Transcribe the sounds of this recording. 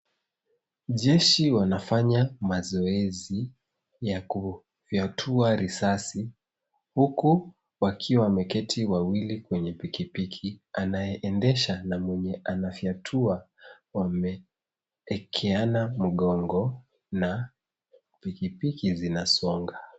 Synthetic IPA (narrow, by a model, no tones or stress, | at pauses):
ʄɛʃiwanafaɲamazɔɛzi | jaku | fjatʰuaɾisasi | huku | wakʰiwamɛkɛtʰiwawilikwɛɲɛpikipikʰianajɛʔɛndɛʃanamwɛɲɛʔanafiatʰua | wamɛː | kʰɛanam̩ɠɔŋɡɔ | na | pikipikizinasɔŋɡa